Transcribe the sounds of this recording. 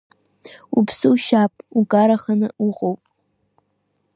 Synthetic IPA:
upʰsɨuʃapʼukʼaɾaχanɨuʁʼowpʼ

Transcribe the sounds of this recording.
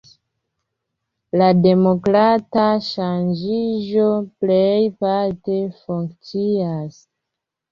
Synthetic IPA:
lade̞mokɾataʃand͡ʒiʒoplejpaɾte̞fuŋkt͡sias

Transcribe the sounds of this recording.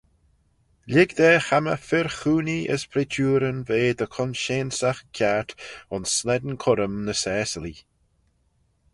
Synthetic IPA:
lʲɪɡd̪ɛːxamə̰fɪɹxuːniə̰spʰɾit͡ʃʰuːɾənveːd̪əkʰɔnʃeːnsaxkʰat̪ʊnsːlɛd̪n̩kʰʊɾəmnəsɛːsəli

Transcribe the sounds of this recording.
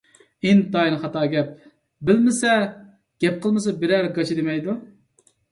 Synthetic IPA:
int̪ɑjinχɑt̪ɑːɡʲɛp̚ | bɪlmɪsɛ | ɡ̥ʲɛp̚qəlˠmɨsɑbɪɾæɾɡɑt͡ʃʰid̪emɛjd̪u

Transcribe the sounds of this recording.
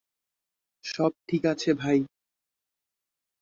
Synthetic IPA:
ʃɔb̚ʈʰikat͡ɕʰebʱaj

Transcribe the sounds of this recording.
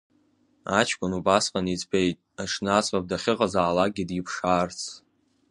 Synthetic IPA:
at͡ʃʰkʷʼʊnubasqʼanit͡sbejtʼaʂnat͡sʼab̚daχʲɪqʼazaːlaɡʲidjɪpʰʂaːrt͡sʰ

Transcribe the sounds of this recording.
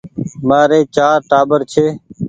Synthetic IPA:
maːɾeːt͡ʃaːɾʈaːbəɾt͡ʃʰeː

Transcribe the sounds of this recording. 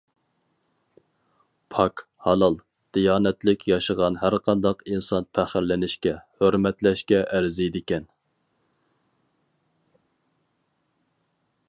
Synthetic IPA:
pʰɑk | hɑlˠɑlˠ | d̪̥ijɑːnɛt̪lɪkʲjɑʃəʁɑnɦæɾqʰɑnd̪ɑqinsɑnpʰæχɪɾlɪnɪʃkʲɛhøɾmɛt̪lɛʃkʲɛʔæɾzid̪ɪkʲɛn

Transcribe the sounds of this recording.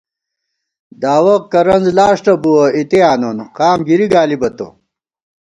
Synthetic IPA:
d̪aːwɐq̚kɐɾɐnzlaːʂʈɐbuwɐit̪eaːnonqaːmɡiɾiɡaːlibɐt̪o̰

